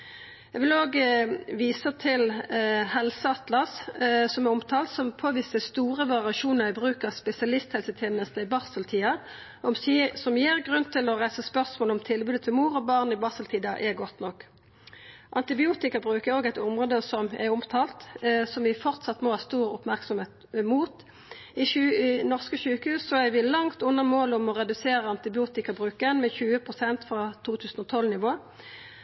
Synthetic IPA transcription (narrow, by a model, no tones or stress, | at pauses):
jɛɡʋɪloːɡʋiːsət̪ʰɪlhɛlsəɑt̪lɑssɔmɛʊmt̪ʰɑːlt̪sɔmpʰoːʋiːsəst̪uːʁəʋɑʁɪɑʃuːnəʁæbʁʉːkəʁspɛsɪɑlɪst̪hɛlsət̪ʰjeːnəst̪əɪbɑʁsəlt̪ʰiːɑ | ɔmssɔmjeːʁɡʁʉnːt̪ʰɪlɔʁæɪsəspœʁsmoːləɔmt̪ʰɪlbʉːd̪ət̪ʰɪlmuːʁɔbɑːʁnɪbɑːsəlt̪ʰiːd̪ɑʔɛɡɔt̪nɔkː | ʔɑnt̪ɪbɪuːt̪ɪkɑbʁʉːkɛoːɡæɪt̪ʊmʁoːd̪əsɔmɛʊmt̪ʰɑːlt̪sɔmʋɪfɔʁt̪sɑt̪ːmɔhɑːst̪uːʁʊpmæʁksɔmheːt̪muːt̪ | ɪnɔʁskəçʉːkəhʉːsːɔæɡʋɪlɑŋt̪ʉnːəmoːlɔmɔʁɛd̪ʉseːɾəɑnt̪ɪbɪuːt̪ɪkɑbʁʉːkənmɛçʉːəpʰʁʊsɛnt̪fʁɑt̪ʰuːt̪ʰʉːsən̩ɔt̪ʰɔlnɪʋoː